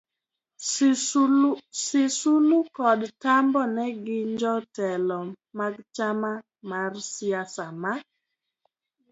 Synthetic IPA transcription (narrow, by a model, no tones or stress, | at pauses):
sɪsulukɔdtambɔnɛɡɪɲd͡ʒɔtɛlɔ | maɡt͡ʃama | marsɪasama